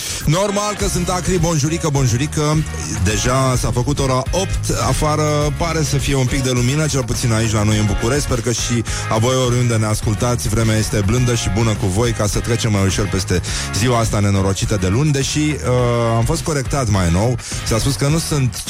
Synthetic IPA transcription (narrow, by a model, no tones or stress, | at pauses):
no̞rmalkəsɨnt̪akɾibo̞nʒuɾikəbo̞nʒuɾikə | d̪e̞ʒasafəkut̪o̞ɾao̞pt̪afaɾəpaɾe̞səfije̞unpik̚d̪e̞luminət͡ʃe̞lput̪sinait͡ʃlano̞jɨnbukuɾe̞ʃt̪peɾukəʃi | avo̞joɾund̪eneaskult̪at̪sʲvɾe̞meaje̞st̪e̞blɨnd̪əʃibunəkuvo̞jkasət̪ɾe̞t͡ʃe̞mːajuʃo̞rpe̞st̪e̞ziwaast̪ane̞no̞ɾo̞t͡ʃit̪əd̪e̞lunʲd̪e̞ʃiəamfo̞st̪̚ko̞ɾe̞k̚t̪at̪majno̞w | saspuskənusunt̪